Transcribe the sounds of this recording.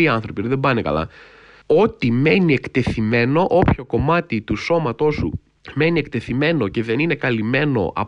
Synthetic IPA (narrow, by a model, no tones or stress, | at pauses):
iɐnθɾo̞piðebɐnekɐ̰lɐ̰ | o̞t̪ime̞niekt̪e̞θime̞no̞ʔo̞pço̞ko̞mɐt̪it̪uso̞mɐt̪o̞sṵ | me̞nie̞kt̪e̞θime̞no̞ce̞ðe̞nine̞kɐlime̞no̞̰ʔɐ̰